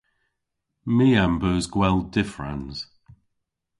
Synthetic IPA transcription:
miːambəːzɡwɛlˠdɪfɹã̰nz̥

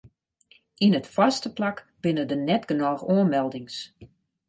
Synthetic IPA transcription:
inətfastəplak | b̥ɪnədənɛtɡ̥ənɔːxoənmɛlˠdɪŋs

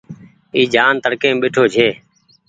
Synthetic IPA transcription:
iːd͡ʒaːnt̪əɽkẽːɓeːʈʰoːd͡ʒʱeː

